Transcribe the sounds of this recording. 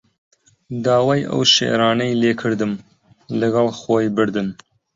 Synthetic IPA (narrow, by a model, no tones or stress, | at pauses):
d̪ɑːwɑːjʔə̰wʃḛʔɾɑːnɐjleːkʰɨɾd̪ɨm | lɨɡɑlˠxoːjbɨɾd̪ɨn